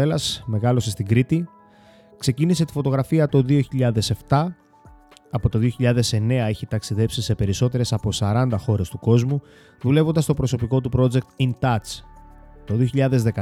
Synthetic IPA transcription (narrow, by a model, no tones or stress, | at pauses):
elɐsme̞ɣɐlo̞sest̪iɡɾit̪i | kse̞cinise̞t̪i̥fo̞t̪o̞ɣɾɐfiɐt̪o̞ðio̞çiʎɐðe̞se̞ft̪ɐ | ɐpo̞t̪oðio̞çiʎɐðe̞se̞ne̞ɐe̞çit̪ɐksiðe̞psise̞pe̞ɾiso̞t̪e̞ɾe̞sɐpo̞sɐɾɐnd̪ɐxo̞ɾe̞st̪uko̞zmu | ðule̞vo̞nd̪ɐst̪o̞pɾo̞so̞piko̞t̪upɾo̞d͡ze̞k̚t̪int̪ɐt͡s | t̪o̞ðio̞çiʎɐðe̞zðe̞kɐ